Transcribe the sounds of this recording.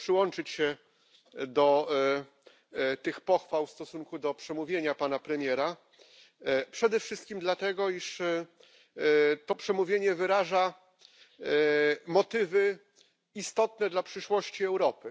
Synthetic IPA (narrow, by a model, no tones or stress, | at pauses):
pʂɘwɔnt͡ʂɘt͡ɕɕɛ | d̪ɔ | t̪ɘxpɔxfawfst̪ɔsuŋkud̪ɔpʂɛmuvʲjeɲapanapɾɛmʲjɛɾa | pʂɛd̪ɛfʂɘst̪̚kʲimd̪lat̪ɛɡɔiʂ | t̪ɔpʂɛmuvʲjeɲɛvɘɾaʐa | mɔt̪ɘvɘ | ist̪ɔt̪nɛd̪lapʂɘʂwɔɕt͡ɕiɛwɾɔpɘ